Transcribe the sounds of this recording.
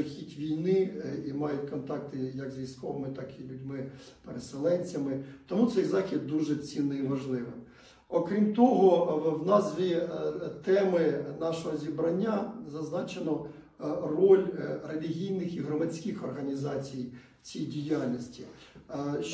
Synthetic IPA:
xʲitʲʋʲijnɪimɑjʊtʲkɔnt̪ɑkt̪ɪjɐkzʋʲijskɔʋɪmɪt̪ɑkilʲudʲmɪ | peɾeselˠɛnʲt͡sʲɐmɪt̪ɔmut̪sɛjzɑxʲid̪̚d̪uʒɛt͡sʲinːɪiʋɐʒlˠɪʋɪm | ɔkɾʲimt̪ɔɦɔwnɑzʋʲit̪ɛmɪnɑʃɔɦɔzʲibɾɐnʲːazɐznɑt͡ʃenɔ | rɔlʲrelʲiɦʲijnɪxiɦɾɔmɐdʲsʲkɪxɔrɦɐnʲizɑt͡sʲij | t͡sʲijdʲijalʲnɔsʲtʲi

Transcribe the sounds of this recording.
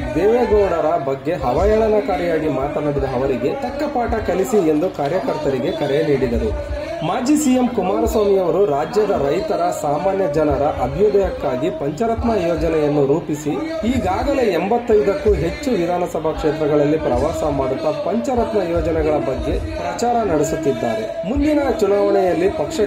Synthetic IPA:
d̪ɛːʋeɡɐwɽɐɾɐbɐɡːe̞ɦɐʋajɐɭɐnɐkaːɾɛjaːɡimaːt̪ɐnɐɽid̪ɐɦɐʋɐɾiɡe̞ʈ̪ɐkːɐpaːʈɐkɐlisie̞nd̪ukaːɾjɐkɐɾt̪ɐɾiɡe̞kɐɾeniːɽid̪ɐɾu | maːd͡ʒisiːjemkumaːɾɐsʋaːmijɐʋɐɾuɾaːd͡ʒjɐd̪ɐɾɐjt̪ɐɾɐsaːmaːnjɐd͡ʒɐnɐɾɐʔɐbʱjoːd̪ɐjɐkːaːɡipɐɲt͡ʃɐɾɐt̪mɐjɔːd͡ʒɐnɛjɐnːuɾuːpisiiːɡaːɡɐle̞embɐt̪ːɐjd̪ɐkːuɦe̞t͡ʃːuʋid̪ʱaːnɐsɐbʱɐkʂeːt̪ɾɐɡɐɭɐlːipɾɐʋaːɾsɐmaːɽut̪ːɐpɐɲt͡ʃɐɾɐt̪mɐjɔːd͡ʒɐnɛɡɐɭɐbɐɡːe̞pɾɐt͡ʃaːɾɐnɐɽisut̪ːid̪ːa̰ːɾḛ | mund̪inɐt͡ʃunaːʋɐɳɛjɐlːipɐkʂɐ

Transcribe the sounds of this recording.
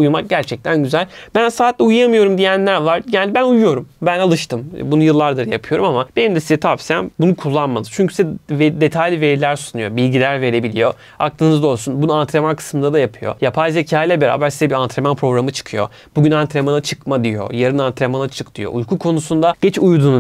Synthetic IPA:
ujmak̚ɟæɾt͡ʃʰɛc̚t̪ʰænɟyzælʲbænsaːt̪lʲɛujjamɯjo̞ɾumd̪ijænlʲæɾvaɾjɛlʲibænujujo̞ɾumbænalˠɯʃt̪ʰɯmbunujɯlˠːaɾd̪ɯɾjapʰɯjo̞ɾumamab̥e̞nimd̪ɛsizɛt̪ʰapsijænbunukʰulˠːanmalˠɯ̥t͡ʃʰyɲcʰy̥sisved̪e̞t̪ʰajlʲive̞ɾlʲæɾsunujobilʲɟilʲæɾve̞ɾe̞bilʲijo̞ | ak̚lˠɯnɯzd̪o̞lˠsunbunuant̪ʰɾemankʰɯ̥smɯnd̪ad̪ajapʰɯjo̞̰japʰajzecʰaːjlʲɛbeɾa̰ːbæɾsizɛbiɾant̪ʰɾemanpʰɾo̞ɡɾamɯt͡ʃʰɯ̥kʰɯjo̞̰ | b̥uɟynant̪ɾemanat͡ʃʰɯkmad̪ijo̞̰jaɾɯnant̪ɾemanat͡ʃʰɯk̚t̪ʰɯjo̞̰ʔujkʰukʰo̞nusund̪aɟ̥ɛt͡ʃujd̪uːn

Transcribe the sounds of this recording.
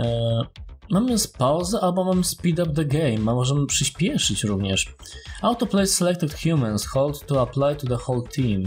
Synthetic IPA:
mamɘspawzɛʔalbɔmamɘspʲid̪ap̚d̪ɛɡɛjmamɔʐɛmɘpʂɨɕpʲjɛʂɘt͡ɕɾuvɲɛʂ | awt̪ɔplɛjsːɛlɛk̚t̪ɪt̪xjumɛ̃nsxɔld̪t̪ːuaplajt̪ud̪əxɔwlt̪ʰim

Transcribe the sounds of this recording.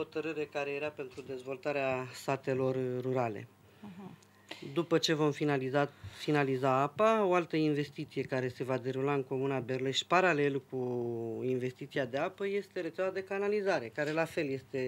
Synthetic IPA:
ho̞t̪əɾɨɾe̞kaɾe̞jeɾape̞nt̪ɾud̪e̞zvo̞lt̪aɾeast̪at̪e̞lo̞rːuɾale̞̰ | d̪upət͡ʃe̞vo̞mfiazafinalizaapao̞alt̪əinve̞st̪it̪sije̞kaɾe̞se̞vad̪e̞ɾulaɨŋko̞munabe̞rle̞ʃpaɾale̞lkuinve̞st̪it̪siad̪e̞apəje̞st̪e̞ɾet̪sʲavad̪ekanalizaɾe̞kaɾe̞lafe̞lje̞st̪e̞

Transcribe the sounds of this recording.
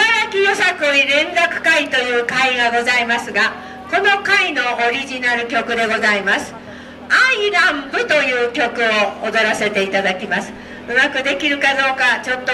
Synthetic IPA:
aɾakʲijo̞sakɯiɾẽ̞nɾakɯ̟̥kait̪o̞jɯ̟ːkaiɡaɡo̞zaimasɨɡa | ko̞no̞kaino̞ʔoɾʲiʑinaɾɯ̟kʲo̞kɯ̟d̪e̞ɡo̞zaimasɨ̥ | aiɾãmbɯ̟t̪o̞jɯ̟ːkʲo̞kɯ̟o̞ːd̪o̞ɾase̞t̪e̞it̪ad̪akʲimasɨ̥ | ɯ̟makɯ̟d̪e̞kʲiɾɯ̟kad̪o̞ːkat͡ɕo̞t̪ːo

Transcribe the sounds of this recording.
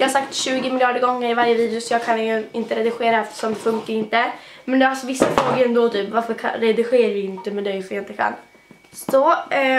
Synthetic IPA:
jɑːhaɾsak̚t̪ɕʉ̟ːɡɪmɪljɑːɖəɾɡɔŋːəɾɪvaɾjəviːd̪ɪʊsɔjɑːɡkʰanɪnt̪əɾɛd̪ɪɧeːɾaɛft̪ə̥ʂɔmfɵŋkaɾɪnt̪əmɛnd̪ɛhasɔvɪsːafɾoːɡəɾɛnd̪ɔt̪ʰyːpvaɾfəɾkʰa̰ɾɛd̪ɪɧeːɾavɪɪnt̪əmɛd̪ɛjfɔjaɪnt̪əkʰa̰nː | sɔ

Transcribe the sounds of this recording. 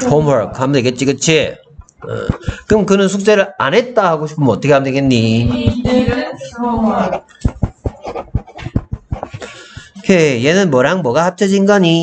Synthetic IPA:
homwʌɭkʰhamdeɡe̞t̚t͡ɕ͈ikɯt͡ɕʰḭ | kɯmkɯnɯnsʰuk̚t͡ɕ͈eɾɯɭa̰nɦet̚t͈ahaɡoɕʰipʰomʌt͈ʰʌkʰeamdeɡenɲi | kejenɯnmʌɾaŋmʌɡahap̚t͡ɕʰʌd͡ʑinɡaɲi

